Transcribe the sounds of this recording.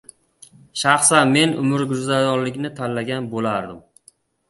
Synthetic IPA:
ʃaχsanme̞nʔʊ̰mɪɾɡʊɾzaj̪ɒnlɪkʲnɪt̪ʰalːaɡʲanbolaɾd̪ɪm

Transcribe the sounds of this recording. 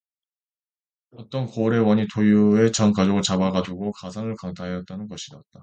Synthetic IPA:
ʌt͈ʌnkoɾe̞wʌɲitʰojue̞t͡ɕʌnkad͡ʑʌɡɯɭt͡ɕabaɡad͡ʑuɡokasʰanɯɭkaŋtʰaɦejʌt̚t͈anɯnɡʌɕʰidat̚t͈a

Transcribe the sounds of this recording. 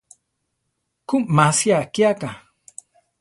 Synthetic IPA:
kummasjakjaka

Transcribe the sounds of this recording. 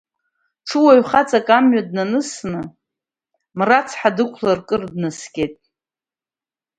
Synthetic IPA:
ʈ͡ʂʰɨwaɥχat͡sʼakʼamɥadnanɨsnɨ | mrat͡sʰħadɨkʷʰlarkʼɨrdnɨskʲejtʼ

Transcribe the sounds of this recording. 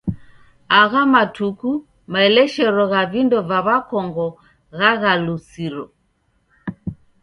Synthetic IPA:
aɣamatuku | maɛlɛʃɛɾɔɣavindɔvaβakɔŋɡɔ | ɣaɣalusiɾɔ

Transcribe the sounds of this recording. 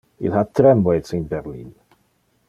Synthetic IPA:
ḭlˠhatʰɾɛmwɛd̥sinbɛɾlḭːn

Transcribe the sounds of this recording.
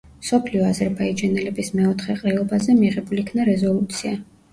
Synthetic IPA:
msɔpʰliɔazɛɾbaid͡ʒanɛlɛbismɛɔt̪ʰχɛqʼɾɛɔbazɛmiʁɛbulikʰnaɾɛzɔlˠut̪sʰia

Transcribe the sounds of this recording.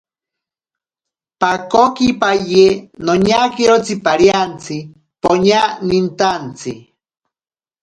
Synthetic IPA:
pakokipajenoɲakiɾot͡sipaɾjant͡sʰi | poɲanint̪ant͡sʰi

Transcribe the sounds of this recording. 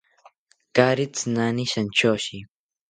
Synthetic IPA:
kaɾit͡snaniʃant͡ʃoːʃi

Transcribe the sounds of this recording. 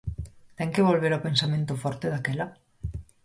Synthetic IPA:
t̪ɛŋkeβolβ̞eɾapensamẽnt̪ofɔɾt̪eðakela

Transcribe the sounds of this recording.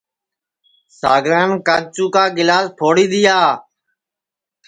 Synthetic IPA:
sa̰ːɡɾaːnkaːɡ̚t͡ʃuːkaːɡɪlaːspʰoːɽiːd̪ɪjaː

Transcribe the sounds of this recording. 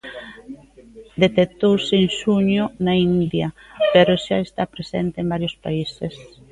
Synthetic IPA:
d̪et̪et̪owseŋʃuɲʊnaind̪japeɾoʃaest̪apɾesent̪eːmbaɾjospaises

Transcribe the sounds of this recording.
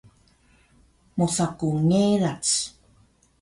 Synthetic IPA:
musakuŋeɾat͡s

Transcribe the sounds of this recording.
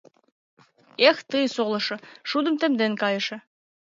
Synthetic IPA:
ext̪ɯjsolɤ̆ʃɤ̆ʃud̪ə̆mt̪ɘ̆md̪enkɑjɤ̆ʃĕ

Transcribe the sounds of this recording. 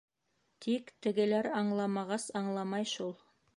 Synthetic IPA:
t̪ʰikt̪ɘ̆ɡɘ̆læɾɑɴlˠɑmɑʁɑsɑɴlˠɑmɑjʃulˠ

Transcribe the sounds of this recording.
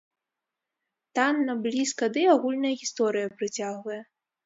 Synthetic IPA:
t̪anːɐblʲiskɐd̪ɨaɣulʲnɐjɐɣʲist̪ɔɾɨjɐpɾɨt͡sʲaɣvɐjɛ

